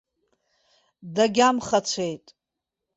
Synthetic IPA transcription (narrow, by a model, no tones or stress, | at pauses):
daɡʲamχat͡sʷʰe̞jtʼ